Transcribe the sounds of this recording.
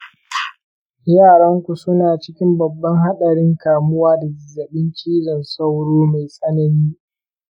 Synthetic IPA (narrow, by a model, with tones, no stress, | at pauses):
jaː˦˨ɽɐ˦ŋkʷu˨sʊ˦naː˨t͡ʃɪ˦kʲɪ˦mbɐ˨bːɐ˦ŋɦa˦ɗɐ˨ɽɪ˦ŋkaː˨mʊ˦waː˦da˨zɪ˨zːɐ˨ɓɪ˦nt͡ʃiː˦d͡ʒɐ˨nsa˦wɽoː˦ma˨jsʼɐ˦nɐ˨niː˦